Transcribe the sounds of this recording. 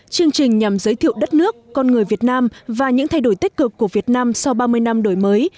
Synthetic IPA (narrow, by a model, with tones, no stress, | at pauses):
t͡ɕɨ˧əŋt͡ɕï˨˩ŋ̟ɲa˨˩mzəː˨˦jt̪ʰḭ˧˨wɗə˦˥t̚nɨ˦˥əkːɔ˧nŋɨ˨˩əjvi˨˩ət̚naː˧mvaː˨˩ɲɨ̰˧˥ŋt̪ʰa˧jɗo˧˩jt̪i˦˥k̟̚kɨ˨˩kːu˧˩əvi˨˩ət̚naː˧msa˧wɓaː˧mɨ˧əjna˧mɗo˧˩jməː˨˦j